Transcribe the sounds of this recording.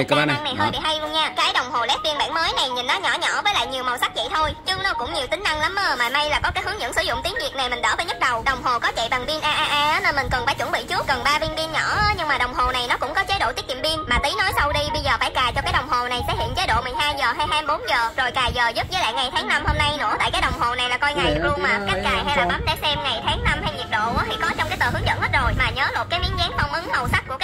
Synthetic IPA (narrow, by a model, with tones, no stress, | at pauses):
kːa˧˨˧ŋna˨˩ɦəː˧jɓḭ˧˨ɦa˧jlu˧əŋɲaː˧kaː˨˦jɗə˨˩wŋ͡mɦo˨˩lɛ˨˦˥vi˧ənɓaː˧˨nməː˨˦jna˨˩jɲi˨˩nːɔ˨˦ɲɔ̰˧˩˦ɲɔ˧˩˨vəː˨˦jla̰ː˧˨jɲi˨˩əwmə˨˩wsa˦˥k̚zə̰˧˨t̪ʰo˧jt͡ɕʊ˧nɔ˨˦kʊ̰˧˥ŋ͡mɲi˨˩wt̪ï˨˦ŋ̟ʔa˧ŋla˨˦m˧əː˨˩maː˨˩ma˧jlaː˨˩kɔ˨˦kaː˨˦jhɨ˨˦əŋɲɨ̰˧˥ŋsɨ˧˩zʊ̰˧˨ŋ͡mt̪i˨˦ŋvi˨˩ək̚na˨˩jmï˨˩ŋ̟ɗə̰ː˧˩vəː˨˦ɲə˦˥t̚ɗə˨˩wɗə˨˩wŋ͡mɦo˨˩kɔ˨˦t͡ɕḛ˧˨ɓa˨˩nvi˧ənʔaː˧ʔaː˧ʔaː˧aː˨˦nə˧nmï˨˩ŋ̟kə˨˩nfaː˧˩jt͡ɕwə˧˩ŋɓḭ˧˨t͡ɕɨ˦˥ək̚kə˨˩nɓaː˧vi˧ənvi˧ənɲɔ˧˩˨ɲɨ˧ŋmaː˨˩ɗə˨˩wŋ͡mɦo˨˩na˨˩jnɔ˨˦kʊ̰˧˥ŋ͡mkɔ˨˦t͡ɕe˨˦ɗo̰˧˨t͡ɕ̪i˦˥t̚ɲḭ˧˨mvi˧ənmaː˨˩t̪i˨˦no˨˦jsə˧wɗi˧ɓə˧jzəː˨˩ɓaː˧˥˩jkaː˨˩jt͡ɕɔ˧kaː˨˦jɗə˨˩wŋ͡mɦo˨˩na˨˩jsɛ̰˧˥hḭ˧˨ənt͡ɕe˨˦˥ɗo̰˧˨mi˨˩ŋ̟haː˧jzəː˨˩ɦa˧jɦaː˧mɓo˨˦nzəː˨˩zo˨˩jkaː˨˩jzəː˨˩zu˦˥p̚zəː˨˦jla̰ː˧˨jŋa˨˩jt̪ʰaː˨˦ŋna˧mho˧mna˧jnɨ̰˧˥ət̪a̰ː˧˨kaː˨˦jɗə˨˩wŋ͡mɦo˨˩na˨˩jlaː˨˩kɔ˧jŋa˧˩j̚lu˧ma˨˩kaː˨˦˥k̚kaː˨˩jɦa˧jlaː˨˧˦ɓa˨˦nɗḛ˧˥sɛ˧mŋa˨˩jt̪ʰaː˨˦ŋna˧mha˧jɲi˨˩əɗo̰˧˨ʔt̪ʰḭ˧˩kɔ˨˦t͡ɕɔ˧wŋ͡mkaː˨˦jt̪əː˨˩ɦɨ˨˦əŋzə̰˧˨nhəː˦˥t̚ɗo˨˩jmaː˨˩ɲəː˨˦lo˨˩kaː˨˦jmḭ˧˥nzɛː˨˦nfa˧˩wŋ͡mʔɨ˨˦ŋhə˨˩wsa˦˥kəkː